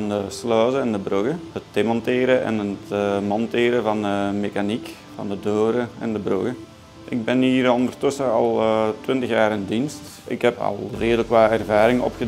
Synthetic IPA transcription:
ndəslœːzəɛndəbrøɣəhətdeːmɔntɪːɾəʔɛ̰nətːmɔntɪːɾəvɑndəmekanik | vɑ̰ndədoːɾəɛ̰ndəbrø̰ɣə | ʔɪ̰ɡ̚bɛniːɾɔnd̪ərtɵsəɑ̰lˠːtʋɪntəxjaːɾɪndinst | ʔɪ̰kɦɛpɑ̰lˠreːdələkʋaːɛrvaːɾɪŋɔ̰pxə

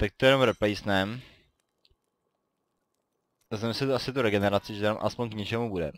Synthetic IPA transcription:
t̪ak̚t̪ojɛnomɾɛplɛjsnɛm | zɛmsɛt̪oʔasɪt̪uɾɛɡɛnɛɾat͡sɪʒɛnamʔa̰spoɲkɲɛt͡ʃɛmubudɛ̰

